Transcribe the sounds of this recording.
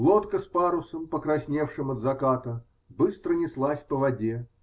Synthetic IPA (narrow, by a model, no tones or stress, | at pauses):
lˠot̪kəspaɾʊsəmpəkɾɐsʲnʲefʂɨmɐd̪zɐkat̪ə | bɨst̪ɾənʲɪslˠasʲpəvɐdʲe